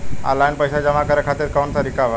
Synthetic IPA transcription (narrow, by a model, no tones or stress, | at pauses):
a̰lajnpəjsad͡ʑəmakəɾjakʰat̪iːɾkawɳsaɾikaʋa